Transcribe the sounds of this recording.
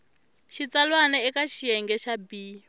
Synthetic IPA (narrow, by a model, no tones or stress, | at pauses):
ʃit͡salwanɛɛkaʃijɛŋɡɛʃabiː